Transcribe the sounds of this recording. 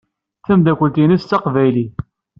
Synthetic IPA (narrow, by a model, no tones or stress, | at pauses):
θæmd̪ækʷːəlt̪inist͡sːɑqvæjli